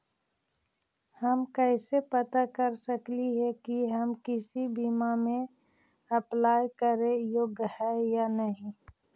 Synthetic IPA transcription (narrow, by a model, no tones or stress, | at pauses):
həmkəɪsepət̪akəɾsəkliɦɛkiɦəmkɪsibiːmamẽ | ɐplaːjkəɾẽjoɡhɛjanəɦĩ